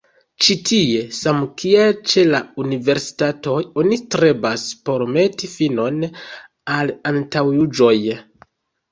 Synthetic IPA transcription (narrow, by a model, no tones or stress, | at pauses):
t͡ʃitʰie̞samkielt͡ʃe̞launive̞ɾsi̥tato̞jo̞nitɾe̞baspo̞ɾme̞tifino̞n | alantawjud͡ʒo̞j